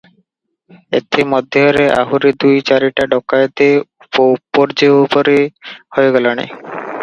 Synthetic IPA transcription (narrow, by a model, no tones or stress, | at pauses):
ḛt̪ʰːimɔd̪ʱːeeɾeʔa̰ɦuɾid̪ujt͡ɕaɾiʈaɖɔkːajet̪e | poupːoɾd͡ʑeupoɾehoeɡɛlona̰